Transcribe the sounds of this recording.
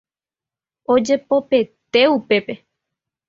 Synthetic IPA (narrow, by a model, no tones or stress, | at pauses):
o̞d͡ʒe̞po̞pe̞t̪e̞upe̞pe̞